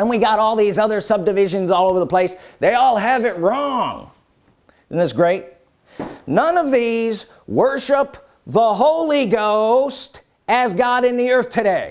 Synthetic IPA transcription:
ə̃nwiɡɑɾɔlˠðizʌðə˞sʌb̚dɨvɪʒɨ̃nzɔlˠoʊvðəpʰl̥eɪsðeɪɔlˠɨvɪt̚ɹɔ̃ŋ | ɪzn̩ɨtsɡ̥ɹeɪt̚ | nʌ̃nʌvðiz | wɜ˞ʃəp | ðəɦoʊlˠiɡoʊst | ɨzɡɑɾɨ̃nðiɜ˞θtʰɨɾeɪ

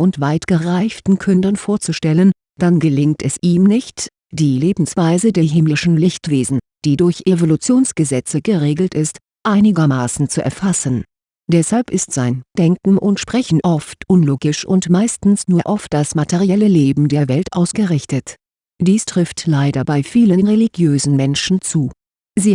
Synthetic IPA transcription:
ʔʊntv̥aɪtɡ̥əʁaɪftn̩kʰʏndɐnfoːɐt͡suʃtɛlən | d̥anɡəlɪŋtʰɛsʔiːmnɪçt | d̥iːleːbm̩sv̥aɪzədeɦɪmlɪʃn̩lɪçtv̥eːzn̩d̥iːdʊɐçʔevolut͡sjoːnsɡ̥əzɛt͡səɡəʁeːɡl̩tɪst | ʔaɪnɪɡɐmaːsn̩t͡suʔɛ̰ɐfasən̩ | d̥ɛshalpɪstz̥aɪnd̥ɛŋkŋ̩ʔʊntʃpʁ̥ɛçn̩ʔɔftʔʊnloːɡɪʃʔʊ̰ntmaɪstn̩snuːɐʔɔft̚d̥asmatʰeʁiɛləleːbm̩deːɐvɛltʔaʊsɡ̥əʁɪçtət | d̥iːstʁ̥ɪftlaɪdɐbaɪfiːlənʁeliɡjøːzn̩mɛnʃn̩t͡suː | ziː

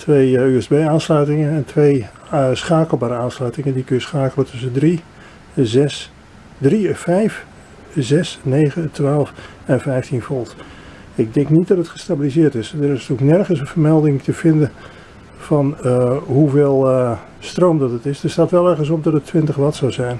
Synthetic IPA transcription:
tʋejyɛzbejaːnslœɥtɪŋənɛntʰʋej | sχaːkəl̩ˠbaːɾəaːnslœɥtɪŋəndikønəsχaːkələtɵsəndri | zɛs | drifɛjf | zɛsneːɣətʋaːlˠf | ɛnvɛjftinfɔlˠt | ɪɡ̚dɛŋknit̚dɑtətχə̥stabilizɪːrtɪsdərɪstyləknɛrχənsənv̥ərmɛlˠdɪŋtəv̥ɪndən | fɑnɦuveːlˠ | stroːmdɑtətɪsdəɹstaːtʋɛlˠɛɹχəns̬ɔp̚dɑtətʰʋɪntəχlɑtsɔwzɛjn

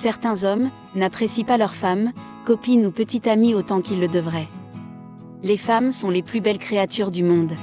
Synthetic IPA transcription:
sɛʁt̪ɛ̃zɔm | napχesipalœʁfam | kɔpinupət̪it̪amiot̪ɑ̃kilːəd̪əvʁɛ | lefamsɔ̃leplybɛlkχeat̪yʁd̪ymɔ̃d̪

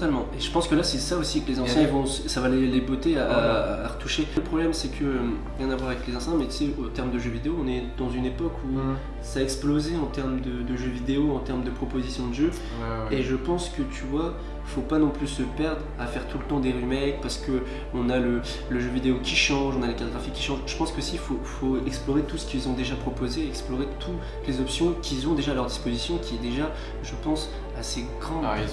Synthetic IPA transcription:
t̪almɑ̃eʒəpɑ̃skəlasɛsaosiklezɑ̃sjɛ̃vɔ̃ssavalelebot̪eaaːʁət̪uʃeləpχɔblɛmsɛkʰəøm | ʁjɛ̃navwaʁavɛklezɑ̃st̪ɛ̃mɛt̪y̥sɛot̪ɛʁmd̪əʒøvid̪eoɔ̃nɛd̪ɑ̃zynepɔkʰu | saɛksplozeɑ̃t̪ɛʁmd̪əd̪əʒøvid̪eoɑ̃t̪ɛʁmd̪əpχɔpozisjɔ̃d̪əʒø | eʒəpɑ̃skət̪ʰyvwa | fopanɔ̃plysəpɛʁd̪ʁafɛʁt̪ulət̪ɑ̃d̪eʁymɛkpaʁsə̥kə | ɔ̃nalə | ləʒøvid̪eokʲiʃɑ̃ʒɔ̃nalekat̪oɡʁafikʲːi̥ʃɑ̃ʒʒəpɑ̃skosifofoɛksplɔʁet̪usə̥kʲilzɔ̃d̪eʒapχɔpozeɛksplɔʁet̪ʰu | t̪lezɔpsjɔ̃kʲilzɔ̃d̪eʒaːlœʁd̪ispozisjɔ̃kʲiɛd̪eʒa | ʒəpɑ̃s | aseɡʁɑ̃

